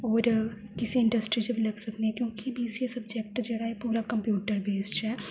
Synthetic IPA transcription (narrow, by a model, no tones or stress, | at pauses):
ɔːɾ | kɪsiɪ̃ɳɖɐsʈɾid͡ʒɐbʱilɐɡsɐkniɦɛ̃kjõːkibʱisesɐbd͡ʒekʈd͡ʒeːɽaɦɛpuːɾakɐ̃mpjuːʈəɾbeːsʈɦɛː